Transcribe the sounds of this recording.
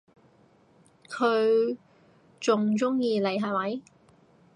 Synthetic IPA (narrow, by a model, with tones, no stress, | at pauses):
kʰɵ˨˧ɥ | t͡sʊ˨ŋt͡sʊ˥ŋjiː˨˧le˨jɦɐ˨˩wɐ˨˥j